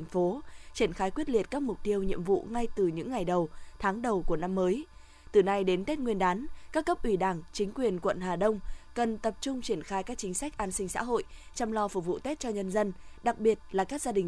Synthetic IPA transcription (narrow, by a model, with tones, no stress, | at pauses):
ŋfo˨˦t͡ɕi˧˩ənxaː˨˦jkwi˦˥ət̚li˨˩ət̚kaː˦˥k̚mʊ˨˩k͡p̚t̪i˧əwɲḭ˧˨əmvṵ˧˨ŋa˧jt̪ɨ˨˩ɲɨ̰˧˥ŋːa˨˩jɗə˨˩wt̪ʰaː˨˦ŋɗə˨˩wku˧˩əna˧mːəː˨˦j | t̪ɨ˨˩na˧jɗe˨˦nt̪e˦˥t̚ŋwi˧ənɗaː˨˦nkaː˦˥kːə˦˥p̚ʔwi˧˩ɗaː˧˩ŋt͡ɕï˨˦ŋ̟kwi˨˩ənkwə̰˧˨nɦaː˨˩ɗə˧wŋ͡mkə˨˩nt̪ə˨˩p̚t͡ɕʊ˧ŋ͡mt͡ɕi˧˩ənxaː˧jkaː˦˥k̚t͡ɕï˨˦ŋ̟sa˦˥k̚ʔaː˨˦nsï˧ŋ̟sa̰ː˧˥ɦo̰˧˨j | t͡ɕɔ˧wŋ͡mlɔ˧fʊ˨˧˩k͡p̚vṵ˧˨t̪e˦˥t̚t͡ɕɔ˧ɲə˧nzə˧nɗa˨˩k̚ɓi˨˩ət̚laː˨˩kaː˦˥k̚zaː˧ɗï˨˩ŋ